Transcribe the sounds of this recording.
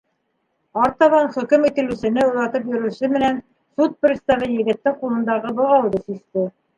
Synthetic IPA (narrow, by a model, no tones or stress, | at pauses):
ɑɾt̪ɑβɑnχɵ̆kɘmit̪ɘ̆lʉsɘ̆nɘuɾɑt̪ɤp̬jɵ̆ɾɘ̆sɵmɘ̆næn | sut̪̚prʲɪt̪st̪ɑvɘjɘ̆ɡɘ̆t̪ːɘŋqulˠɤ̆nd̪ɑʁɤbɤ̆lˠɑw̪ˠd̪ɤsist̪ɘ